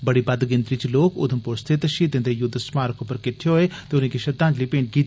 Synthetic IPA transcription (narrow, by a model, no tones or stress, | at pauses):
bəɽiːbɐd̪ɡɪnd̪ɾiːt͡ʃloːkʊ̰d̪ʱəmpʊɾst̪ʰet̪ʃiːd̪ɪ̃nd̪ejʊd̪ʱːsmaːɾəkopəɾkɪʈʰeɦoeːt̪eːʊnĩːkiʃɐd̪ːãːd͡ʒliːpẽːɳʈɡiːt̪ː